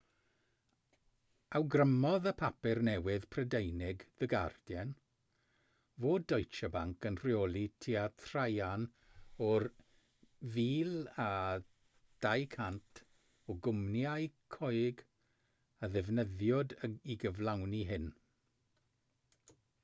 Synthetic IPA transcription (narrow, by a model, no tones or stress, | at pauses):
awɡrəmɔðəpʰapɪrnɛwɪð̥pʰrədejnɪɡðəɡa̰rd̥jɛn | voːdɔjt͡ʃabaŋkənr̥joːlˠitʰiːatʰrajan | ɔr | viːla | d̥ajkʰantʰ | ɔɡʊmnjajkʰɔɨɡ | əðɛvnəðjɔdəiɡəvlˠawniɦɪn